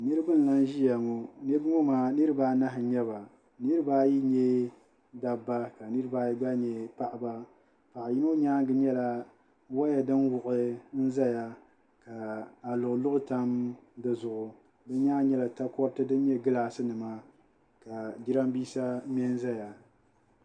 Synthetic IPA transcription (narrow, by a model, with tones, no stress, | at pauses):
nɨ˦ɾɨ˦bɨ˦n˨la˦n˦ʒi˦ja˨ŋo˨nɛ˦bɨ˦ŋo˦maː˦nɨ˦ɾɨ˦baː˦na˦ɦɪ˨ɲɛ˦βa˨ | nɨ˦ɾɨ˦baː˦ji˦ɲɛ˦ | da˨ba˦ka˨nɨ˦ɾɨ˦baː˦ji˦ɡ͡ba˦ɲɛ˨pa˦ʔa˨ba˦ | pa˨ʔa˨ji˦no˦ɲaː˦ŋ˦ɡɨ˦ɲɛ˦la˨ | wa˦ja˨dɨ˦nwʊ˨ʔɨ˦n̩˦za˦ja˦ | ka˨a˨lʊ˨ʔʊ˨lʊ˦ʔʊ˦ta˦mdɨ˦zʊ˨ʔʊ˨ | bɨ˦ɲaː˦ɲɛ˦la˨ta˦kɔ˦ɾtɨ˦dɨ˦n˦ɲɛ˦ɡɨ˦laː˨sɨ˦nɨ˨ma˦ | ka˨di˦ɾa˦m˦biː˦sa˦mɛ˦n˦za˦ja˨